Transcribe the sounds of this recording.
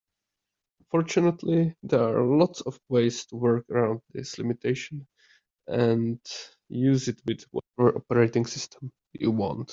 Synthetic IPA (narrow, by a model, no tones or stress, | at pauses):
nfɔɹt͡ʃɨnətʰliðɛɹalɔtsɔvweɪz̥tʰuwɜ˞kəɹãʊ̃nd̪̚ðɪslɪ̰mɪtʰeɪʃə̃n | ɛ̃nd | juzɪt̚wɪðwɔ̰tɛvə˞ʔɔpəɹeɪtɪ̃ŋsɪstʰə̃m | djuwɑ̰̃nt